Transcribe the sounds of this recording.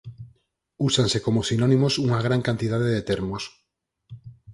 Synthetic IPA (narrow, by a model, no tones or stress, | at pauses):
usansekomosinonĩmosuŋaɣ̞ɾaŋkant̪ið̞aðeðet̪eɾmos